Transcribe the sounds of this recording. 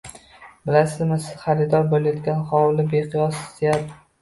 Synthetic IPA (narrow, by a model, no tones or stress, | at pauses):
bɪlasɪzmɪsɪz̥χaɾɪd̪ɒɾbolajɒt̪ɡʲanχɒwlɪbeqʰɨjɒsɪ̥zejad̪